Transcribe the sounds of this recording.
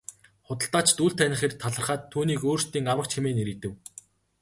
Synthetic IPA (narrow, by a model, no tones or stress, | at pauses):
χʊt̪ə̆ɬt̪aːt͡ɕt̪uːɮt̪ʰænʲɪ̆χeːrt̪ʰaɮə̆rχaːt̪ʰːuːniːkoːrst̪iːŋawə̆k̚t͡ɕʰemeːneɾɘ̆t̪ɘ̆w